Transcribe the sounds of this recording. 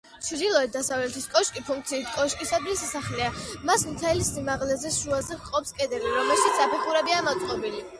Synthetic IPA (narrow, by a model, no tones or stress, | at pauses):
t͡ʃʰd̪ilˠɔɛt̪̚d̪asavlɛt̪ʰiskʼɔʃkʼipʰuŋk̚t̪sʰiːt̪ʰkʼɔʃkʼisad̪isisaχlɛamasmt̪ʰɛlisimaʁlɛzɛʃuazɛqʼɔpskʼɛd̪ɛbiɾɔmɛlˠʃit̪szapʰiχuɾɛbiamɔt̪sʼqʼɔbili